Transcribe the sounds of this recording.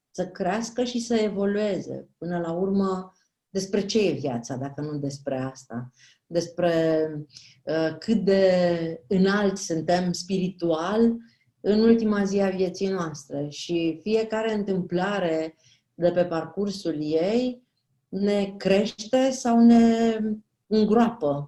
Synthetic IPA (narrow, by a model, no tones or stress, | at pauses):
səkɾeaskəʃisəe̞vo̞lue̞zḛpɨnəlaurmə | d̪e̞spɾe̞t͡ʃe̞je̞vja̰t̪sad̪akənud̪e̞spɾe̞ast̪a̰ | d̪e̞spɾe̞ | əkʰɨt̪̚d̪e̞ɨnalt̪sɨnt̪e̞mspiɾit̪ual | ɨnult̪imaziavje̞t̪sijnoast̪ɾe̞ʃifije̞kaɾe̞ɨnt̪ɨmplaɾe̞ | d̪e̞pe̞parkursuljej | ne̞kɾe̞ʃt̪e̞sawne̞ | ɨŋɡɾoapə